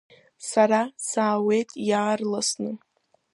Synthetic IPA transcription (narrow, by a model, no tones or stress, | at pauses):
saɾasaːwe̞jtʼjaːrlasnɨ